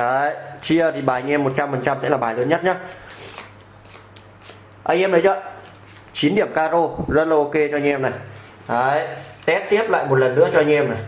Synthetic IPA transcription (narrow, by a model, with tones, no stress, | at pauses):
ʔəː˨˦jt͡ɕi˧ət̪ʰi˨˩ɓaː˨˩˨ɲʔɛ˧mːo˨˩t̚t͡ɕa˧mfə˨˩nt͡ɕa˧mt̪ʰḛ˧˥laː˨˩ɓaː˨˩jləː˨˦ɲə˦˥t̚ɲaː˨˧˦ | ʔa˧jʔɛ˧mnə˨˦jzə̰˧˨ | t͡ɕi˨˦nɗi˧˩əmkaː˧zo˧zə˦˥t̚lʔo˧ke˧t͡ɕɔ˧ɲʔɛ˧mna˨˩j | ʔəː˨˧˦jt̪ɛ˦˥p̚t̪i˦˥əp̚la̰ː˧˨jmo˨˩t̚lə˨˩nɗɨ̰˧˥ət͡ɕɔ˧a˧ɲ̟ɛ˧mna˨˩j